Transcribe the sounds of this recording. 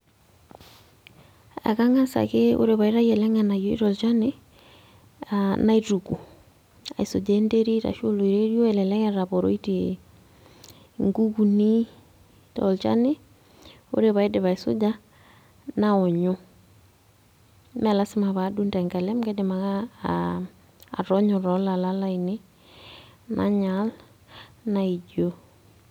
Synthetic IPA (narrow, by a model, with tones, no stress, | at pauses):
a̰˨ka˦ŋa˦sa̰˨keo̰˦ɾeβa˨i˦ɾa˦jɛlɛŋana˨jɔḭ˦ɾɔlt͡ʃa˦ne | ana˦ituku˨ | a̰˨i˨sod͡ʒaɛnde˦ɾi˦ɾa̰ʃo˦lo˨iɾerjɔ˦ɛlɛlɛ˦ŋɛɾaβɔɾo̰˦iti | ŋɡu˦ku˨ni | tɔ̰lt͡ʃa̰ne˦ | o̰˦ɾeβa˨e˦deβa˨i˨so̰˦d͡ʒa˦ | naɔ˨ɲo˦ | mɛla˦simaβa˨du˦ntɛ˨ŋkɛ˨lɛ˦mɡɛdema˨ka˨ | ɾɔ˦ɲɔ˨ɾɔ˦la˨lala˦ine˦ | nʔa̰ɲal | nai˨d͡ʒo˦